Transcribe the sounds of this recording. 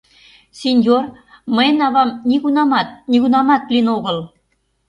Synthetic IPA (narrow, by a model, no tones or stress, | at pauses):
sʲenʲjor | mə̆jnɑβɑmnʲiɣunɑmɑt̪̚nʲiɣunɑmɑt̪lʲinoɣɤ̆lˠ